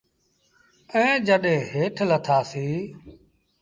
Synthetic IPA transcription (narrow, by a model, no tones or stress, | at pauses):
ɛ̃ːd͡ʒəɗẽːɦeːʈʰlət̪ʰaːsiː